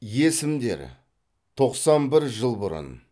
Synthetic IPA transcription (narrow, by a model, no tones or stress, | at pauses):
je̞sɪmd̪e̞̰ɾ | t̪ʰo̞qsɑnbɪɾʒəlˠbʊɾʊ̰n